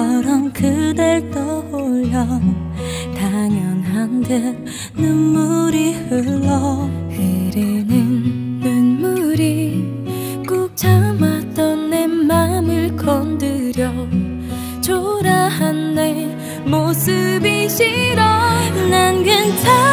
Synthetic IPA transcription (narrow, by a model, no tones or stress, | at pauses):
ʌɾʌmkɯdeɭtʌoɭjʌ | taɲjʌnɦande | numːuɾihɯɭːʌ | eɾenɯnːummuɾi | k͈uk̚t͡ɕʰamat͈ʌnːemamɯɭkʌndɯɾjʌ | t͡ɕʰoɾahanːe | mosɯbiɕʰiɾʌnanɡɯnsʰa